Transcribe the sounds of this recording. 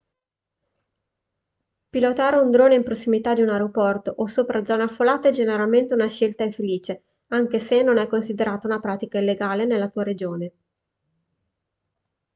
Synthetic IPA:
pilot̪aːɾeund̪ɾoːneimpɾosːimit̪ad̪iunaɾeopɔrt̪oʔosoːpɾad̪zɔːneafːolaːt̪eɛd͡ʒeneɾalment̪eunaʃelt̪aiɱfeliːt͡ʃe | aŋk̟esenːonɛjkonsid̪eɾaːt̪aunapɾaːt̪ikailːeɡaːlenelːat̪uːaɾed͡ʒoːne

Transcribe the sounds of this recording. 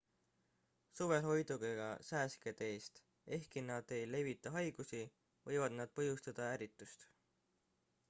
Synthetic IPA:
suve̞lɦo̞jd̪̥uɡ̥eɡ̥ɑ̰sæːsked̪e̞ːst̪ | e̞hkinɑd̪̥e̞jle̞vit̪ːˑɑɦɑjɡ̥usi | vɤ̞jvɑd̪̥nɑd̪̥̚pɤɦjust̪ɑd̪̥ɑæɾit̪ːˑust̪

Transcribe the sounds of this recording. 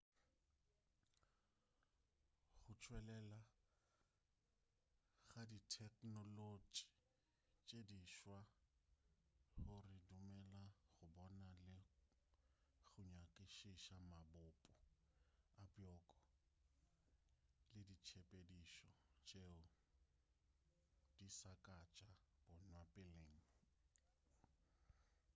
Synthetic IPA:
χʊt͡ʃʰwɛlɛla | ɣaditʰɛkʼnɔlod͡ʒi̥ | t͡ʃʼediʃwa | χʊrɪdumɛlaχʊbɔnalɪ | ɣʊɲakʼɪʃiʃamabʊpʼʊ | abjɔkʼɔ | lɪdit͡ʃʰepʼediʃɔt͡ʃʼeʊ | d̥isakʼat͡ʃʼab̥ɔnwapʼɪleːŋ̩

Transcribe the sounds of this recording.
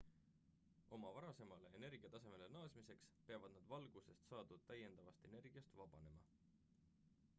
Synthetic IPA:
o̞mɑvɑɾɑse̞mɑleene̞rɡ̥ijɑt̪ɑse̞me̞lenɑːsmise̞kspe̞ɑvɑd̪̥nɑd̪vɑlɡ̥use̞st̪sɑːd̪̥ut̪æje̞nd̪̥ɑvɑst̪e̞ne̞rɡ̥iɑst̪vɑb̥ɑne̞mɑ

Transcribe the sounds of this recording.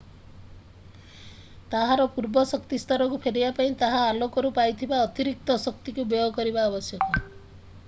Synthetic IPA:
t̪aɦaɾɔpuɾbɔsɔkt̪ist̪ʰɔɾɔkupʰeɾibapaĩt̪aɦaːlokɔɾupajt̪ʰibaɔt̪iɾik̚t̪ɔsɔk̚t̪ikubjɔjɔkɔɾibaːbɔsjɔkɔ

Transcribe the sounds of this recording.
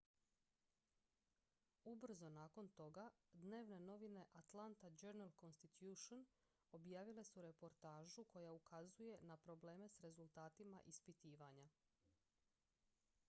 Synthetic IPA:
ubr̩zo̞naːko̞nt̪o̞ɡad̪ne̞ːʋne̞no̞ʋine̞ʔat̪lant̪ad͡ʒeɾnalˠko̞nst̪it̪juːʃon | o̞bjaːʋile̞suɾe̞po̞ɾt̪aːʒukʰo̞jaukʰazuje̞napɾo̞ble̞ːme̞sɾe̞zult̪aːt̪ima̰ʔispit̪iːʋaɲa

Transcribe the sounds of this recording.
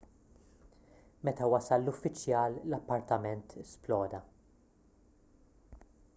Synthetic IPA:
mɛt̪ɐwɐsɐlːʊfːɪt͡ʃːjɐːllɐpːɐɾt̪ɐmɛnt̪ʰɛsplɔːd̪ɐ

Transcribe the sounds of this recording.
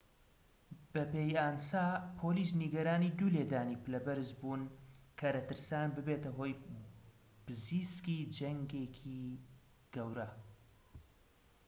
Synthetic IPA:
b̥ɐpeːjaːnsaːpʰoːliːs̬niɡɐɾaːnid̪uːleːd̪aːniːpɨlɐbɨɾzbunkʰɐɾɐt̪ɨɾsaːnbɨbeːt̪ɐɦo̞ːj | b̥ɨziːskid͡ʒɐŋɡekʰi | ɡ̥ɐwɾɐ

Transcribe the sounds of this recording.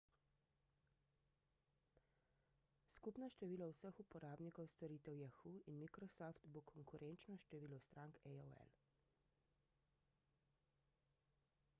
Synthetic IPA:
skupnaʃt̪ɛʋiːlawsəxupɔɾaːbnikɔwst̪ɔɾiːt̪ɛwjɛxuinmikɾɔsɔft̪bokʰɔŋkuɾʔɛnt͡ʃnɔʃt̪ɛʋiːlɔwst̪ɾaːŋkɛjɔɛ̰l

